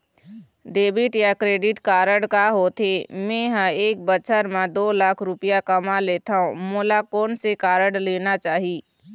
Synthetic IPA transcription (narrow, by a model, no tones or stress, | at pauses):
ɖeːbɪʈjakɾeːɖɪʈkaːɾəɽkaɦot̪ʰemẽɦə̃eːk̚bət͡ʃʰəɾmãd̪oːlaːkʰɾʊpɪjakəmaleːt̪aɦõmoːlakɔːnsekaːɾəɽleːnat͡ʃaːɦiː